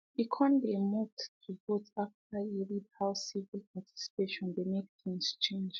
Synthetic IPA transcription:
ikʰɔ̃ndemɔtɹipɔtaftailid̚haʊsivilpʰatʰi̥si̥peʃɔ̃nðemek̚θĩŋz̥t͡ʃʰẽnd͡ʒ

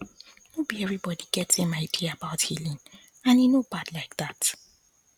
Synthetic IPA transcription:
nobiɛvɹibɔdiɡ̥ɛtɪ̃maɪdiabaʊthilĩŋ | ãnjinobadlaɪk̚ðat

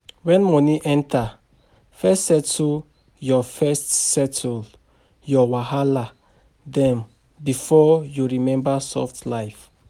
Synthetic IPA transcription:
wɛ̃nmɔ̃niʔɛ̃ntʰa | fɛstsɛtu | jɔfɛstsɛtʰul | jɔwahala | dɛ̃m | bifɔjuɹimɛ̃mbasɔ̰ftlajf

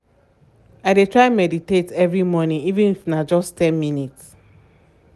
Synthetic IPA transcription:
aɪdetʰɹaɪmɛditetɛvɹimɔnĩŋivɛ̃nifnad͡ʒɔstɛ̃nminits

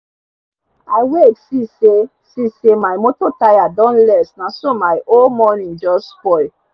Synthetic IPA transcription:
ajwetsise | sisemajmototajadɔ̃nlɛsnasomajʔolmɔnĩnd͡ʒɔspɔj

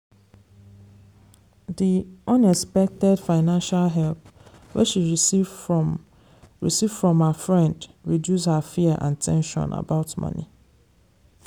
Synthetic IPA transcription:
diʔʌ̃nɛkspɛk̚tɛdfaɪnãnʃalɦɛlp̚wɛ̰ʃi | ɹḭsivfɹɔ̃mhəfɹɛ̃ndɹidjushəfiəʔã̰ntʰɛ̰̃nʃɔ̰̃nʔa̰baʊtmʌ̰̃nḭ

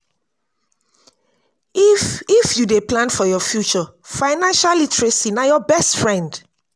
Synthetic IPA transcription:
ifjudeplãnfɔjɔfjut͡ʃɔfãɪnãnʃalitɹesinajɔbɛstfɹɛ̃nd

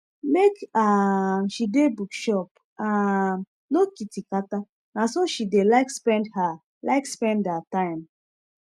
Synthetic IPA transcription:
mekaʃidebukʃɔp | am | nokitikata | nasoʃidelaɪkspɛ̃ndha | laɪkspɛ̃ndhatãɪ̃m

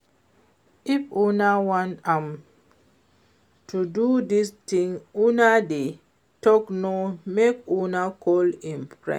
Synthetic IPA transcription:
ifunawãntãm | tʰududistĩŋunade | tɔknomekunakʰɔlĩnpɹɛ̰

